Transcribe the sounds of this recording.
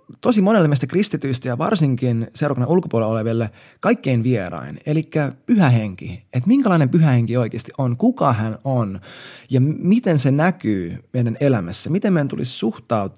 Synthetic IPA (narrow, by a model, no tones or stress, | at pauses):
t̪osimonelːemeist̪ækrist̪it̪yist̪æjɑʋɑ̰rsiŋkinseuɾˑɑkonɑulkopuoleloleʋilːe | kɑikːeinʋierɑ̰inelikːæpyhæɦeŋkḭet̪miŋkælɑinempyɦæheŋkioikeːst̪iʔonkukɑhænonjɑmit̪ensenækyːmeidænelæmæsːæmit̪emːejnt̪ṵlḭssuht̪ɑut̪